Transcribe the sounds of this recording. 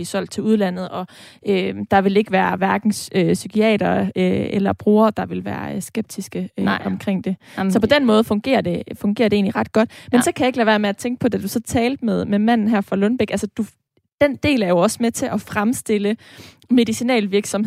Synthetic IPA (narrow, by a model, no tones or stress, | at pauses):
isɒ̽l̰d̥̚t͡sʰe̝luðˠlæn̰ð̞̩ˠɒ̽ʔød̥ɑ̈ʋe̝le̝ɡ̥əʋæːɐʋæɐɡ̥n̩søsykʰiɛ̰ːd̥ɐøelɐb̥ʁuːɐd̥ɑ̈ʋe̝lʋæ̰ːɐsɡ̥eb̥̚d̥isɡ̥əøɒmkʰʁeŋ̰d̥e̝sɒ̽pʰɒ̽d̥en̰mɔ̽ːð̞̩ˠfɔ̽ŋɡ̥e̝̰ːɐd̥e̝fɔ̽ŋɡ̥e̝ːɐd̥ee̝ːnliʁɑ̈d̥ɡ̥ɒ̽d̥mensɒ̽kʰæjaeɡ̥læʋæːɐmeæt͡sʰeŋɡ̥əpʰɒ̽d̥æd̥usɒ̽t͡sʰɛːld̥̚meðˠmemæn̰n̩ɦæɐfʁɑ̈lɔnb̥eɡ̥ælsəd̥u | d̥end̥e̝̰ːlæɐjo̝ɒ̽smet͡sʰe̝ʔɒ̽fʁamsd̥e̝lə | me̝ðˠisinɛ̰ːlʋiɐɡ̥sɒ̽m